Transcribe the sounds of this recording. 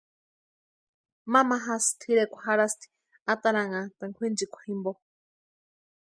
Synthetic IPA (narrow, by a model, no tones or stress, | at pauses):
mamaɦast̪ʰiɾekʷʰahaɾast̪ʰi̥ | at̪aɾaŋat̪aŋkʷʰind͡ʒikʷʰḁhimbo